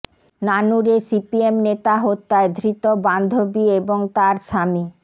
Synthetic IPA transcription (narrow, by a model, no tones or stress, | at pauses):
nanuɾesipiemnet̪aɦot̪ːaed̪ʱɾit̪oband̪ʱobieboŋt̪aɾʃami